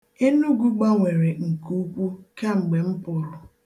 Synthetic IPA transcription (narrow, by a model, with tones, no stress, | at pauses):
e˦nu˦ɡu˦ɡ͡ba˦ŋʷe˨ɾe˨ŋ̩˨ku˦kʷu˦ka˦ŋ͡m̩˨ɡ͡be˨m̩˦pʊ˨ɾʊ˨